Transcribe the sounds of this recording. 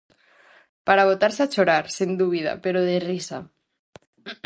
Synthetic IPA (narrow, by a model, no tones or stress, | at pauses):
paɾaβ̞ot̪aɾsat͡ʃoɾaɾsend̪uβ̞iða̰peɾoðerisa